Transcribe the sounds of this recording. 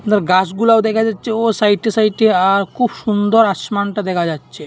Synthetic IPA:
naɾɡasɡulaod̪ɛkʰad͡ʑatːɕʰeosajʈesajʈeaɾkʰubʃund̪ɔɾaʃmanʈad̪ɛkʰad͡ʑatːʃʰe

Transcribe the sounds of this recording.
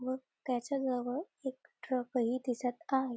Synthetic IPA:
ʋə | kjat͡ɕad͡zəʋə | ek̚ʈɾəkəɦiːd̪isat̪aɦe

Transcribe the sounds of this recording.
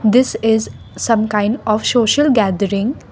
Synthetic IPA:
d̪ɪsɪz | sɐ̃mkãɪ̃ɳɖɔːʋsoːʃəlɡæːd̪əɾɪ̃ŋɡ

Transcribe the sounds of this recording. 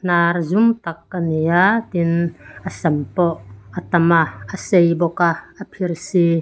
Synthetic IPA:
narzumt̪ɐk̚ːənijat̪inʔəsɐmpɔʔʔət̪ɐmaəsejbɔkaʔəpʰirsi

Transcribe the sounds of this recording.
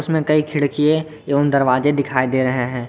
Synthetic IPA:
ʊsmẽkɐikʰɪɽkie | eʊnd̪ɐɾʋaːzed̪ɪkʰaːid̪eːɾɐɦeɦɛ̃ː

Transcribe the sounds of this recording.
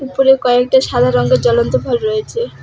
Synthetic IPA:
upoɾekɔek̚ʈaʃad̪ʱaɾɔŋɡed͡ʑɔlont̪obʱabɾɔet͡ɕʰe

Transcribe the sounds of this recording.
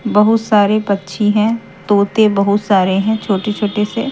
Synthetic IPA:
bɐɦʊt̪saːɾepɐtːʃʰiɦɛ̃ | t̪oːt̪ebɐɦʊt̪saːɾeɦɛ̃t͡ʃʰoːʈet͡ʃʰoːʈese

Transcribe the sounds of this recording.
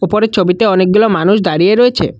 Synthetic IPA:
opɔɾet͡ʃʰobit̪eɔnek̚ɡulɔmanus̬d̪aɾieɾɔet͡ʃʰḛ

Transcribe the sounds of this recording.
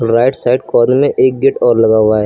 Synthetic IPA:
ɾaːɪʈsaːɪɖkɔːnmẽʔeːk̚ɡɪʈɔːɾlɐɡaːʋaːɛː

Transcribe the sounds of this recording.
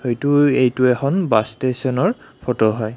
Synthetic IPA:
xojtʊejtuɛxʰɔnbastesɔnɔɹ | pʰɔtɔɦɔj

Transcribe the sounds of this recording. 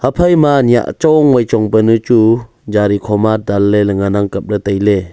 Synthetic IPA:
hapʰajmanija̰ʔt͡ʃɔŋwajt͡ʃɔŋbənɯt͡ʃu | d͡ʒaɾikʰɔmadalːelɯŋanaŋkap̚ɾɯtajle

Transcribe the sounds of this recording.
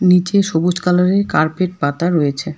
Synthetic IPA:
nit͡ɕeʃobud͡ʑkaloɾeɾkaɾpeʈ̚pat̪aɾoet͡ɕʰe

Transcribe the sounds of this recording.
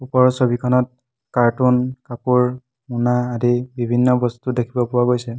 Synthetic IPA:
upɔɹsobikʰɔnɔt̚ | kaɹtunkapuɹ | munaːdibibʱinːɔbɔstudekʰibɔpʊwaɡojsɛ

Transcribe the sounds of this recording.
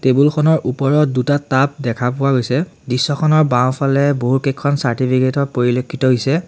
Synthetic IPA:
tebulkʰɔnɔɹʔupɔɹɔdutatap̚dɛkʰapʊwaɡojsɛ | disːɔkʰɔnɔɹbãw̃pʰalɛboɦukɛkʰːɔnsaɹtipʰiketɔpoɹilokʰːitɔɦojsɛ

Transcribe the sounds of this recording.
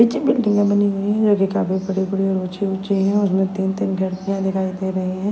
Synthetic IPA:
ɪt͡ʃibɪlʈɪ̃ŋɡãbɐniɦʊiɦɛ̃d͡ʒoːkikaːpibɐɽibɐɽiɐɽoːt͡ʃeʊt͡ʃeɦɛ̃ʊsmẽt̪iːnt̪iːnɡʱɐɽk̪ijãd̪ɪkʰaːid̪eːɾɐɦeɦɦɛ̃ː

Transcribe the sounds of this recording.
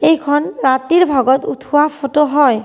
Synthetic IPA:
ejkʰɔnɹat̪iɹbʱɔɡɔt̪ṵtʰuwapʰotoɦɔj

